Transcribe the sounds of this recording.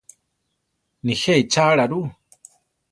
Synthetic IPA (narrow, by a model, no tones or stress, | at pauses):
niheit͡ʃaɺaɾu